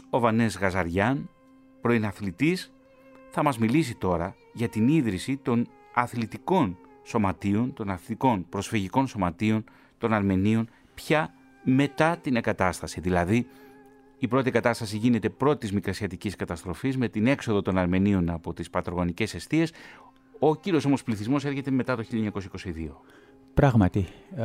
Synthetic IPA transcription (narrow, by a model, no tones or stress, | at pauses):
o̞vɐne̞zɣɐzɐɾʝɐn | pɾo̞inɐθlit̪is | θɐmɐzmilis̬it̪o̞ɾɐ | ʝɐt̪iniðɾisit̪o̞n | ɐθlit̪iko̞n | so̞mɐt̪io̞nt̪o̞nɐθlt̪iko̞npɾo̞sfiʝiko̞nso̞mɐt̪io̞n | t̪o̞nɐɾme̞nio̞n | pçɐ | me̞t̪ɐt̪ineŋɡɐt̪ɐst̪ɐsiðilɐði | ipɾo̞t̪ikɐt̪ɐst̪ɐsiʝine̞t̪e̞pɾo̞t̪izmikɾɐsiɐt̪iciskɐt̪ɐst̪ɾo̞fizme̞t̪ine̞kso̞ðot̪o̞nɐɾme̞nio̞nɐpo̞t̪ispɐt̪ɾoɣo̞nice̞se̞st̪ie̞s | ociɾioo̞mo̞spliθizmo̞seɾçe̞t̪e̞me̞t̪ɐt̪o̞çiʎɐoɲɐko̞s̬iko̞siðio̞ | pɾɐɣmɐt̪i